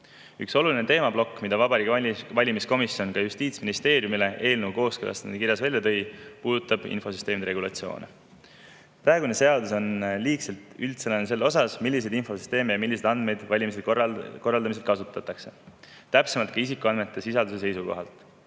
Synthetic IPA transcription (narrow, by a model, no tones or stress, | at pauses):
ykso̞lulinet̪e̞ːmɑb̥lo̞kːmid̪̥ɑvɑbɑɾiːkvɑlʲimisko̞misjonkɑjust̪iːt̪sminist̪e̞ːɾjumile̞ʔe̞ːlnewko̞ːskølʔɑ̰st̪nkirjɑsvælʲjɑt̪ɤ̞jpuːd̪̥ut̪ːˑɑb̥ḭnfo̞sy̥st̪emid̪eɾe̞ɡulɑ̰t̪sio̞̰ːne | prɑeɡune̞se̞ɑd̪uso̞nliːkse̞lt̪ˑylt̪senɑnese̞lːo̞sɑsmilːis̬e̞d̪info̞sy̥st̪e̞ːmejɑmilːise̞d̪ɑnd̪̥me̞jd̪̥vɑlʲimis̬e̥ko̞rːɑld̪ɑmise̞d̪̥kɑsut̪ːˑɑt̪ːɑkse̞̥ | t̪ːæpsemɑlt̪kɑis̬ikˑuɑnme̞t̪ːˑe̞sisɑld̪us̬e̞s̬e̞jsuko̞̰ɦɑ̰lt̪ˑ